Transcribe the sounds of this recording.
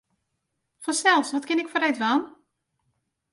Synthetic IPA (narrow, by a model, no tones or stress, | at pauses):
fɔsɛlˠfsʋɔtkɪnɪkfɔrejtʋan